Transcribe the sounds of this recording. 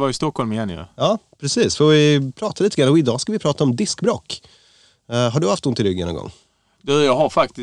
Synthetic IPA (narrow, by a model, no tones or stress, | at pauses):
vajɪst̪ɔkʰhɔlmɪjɛnjɵ̰ɑːpʰɾɛsiːsfɔvɪpʰɾɑːt̪ʰaliːt̪əɡanːaɔɪd̪ɑːskavɪpʰɾɑːt̪aɔmd̪ɪskbɾoːk | ɦaɖɵhaft̪hʊnt̪ɪlɾʏɡːɛnːɔ̰ŋɡɔ̰ŋː | d̪ʉjɑɦaɾfak̚t̪ɪ